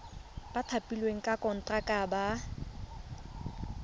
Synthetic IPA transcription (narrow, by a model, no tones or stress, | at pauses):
b̥atʰapʼilweŋ̩kʼakʼɔn̩tʼakʼaba